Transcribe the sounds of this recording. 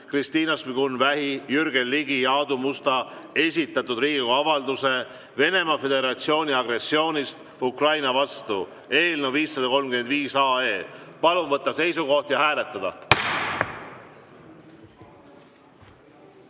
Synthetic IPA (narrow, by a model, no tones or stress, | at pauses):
krist̪iːnɑspiɡ̥unvæɦijyɾɡe̞lːiɡijɑod̪umust̪ɑ | e̞s̬ʲit̪ːˑɑt̪ːˑud̪riːɡ̥iɡoɑvɑld̪use̞ | ve̞ne̞mɑfe̞d̪e̞ɾɑt̪sio̞ːnʲiɑɡre̞sːio̞ːnʲist̪ | ukrɑjnɑvɑst̪u | e̞ːlneviːsːɑd̪̥ɑko̞lmɡymed̪viːsɑːe̞ːpɑlunvɤt̪ˑːɑse̞jsuɡo̞ht̪jɑhæːle̞t̪ːˑɑd̪̥ɑ